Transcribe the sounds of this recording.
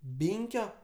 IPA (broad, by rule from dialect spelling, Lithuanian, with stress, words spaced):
ˈbʲiːŋʲkʲoː